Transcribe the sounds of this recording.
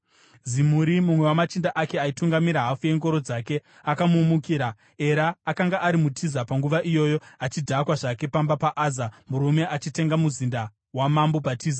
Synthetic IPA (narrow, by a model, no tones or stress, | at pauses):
zimuɾimumwe̞wamat͡ʃindaʔake̞aituŋɡamiɾaɦafuje̞ŋɡo̞ɾo̞d͡zake̞ | akamuːmukiːɾa | e̞ɾaːkaŋɡaʔaɾimutʰizapaŋɡuʋaʔijo̞ːjo̞at͡ʃidʱakwaʐake̞pambapaʔaːzamuɾume̞ʔat͡ʃite̞ŋɡamuzinda | wamambobʱatiːza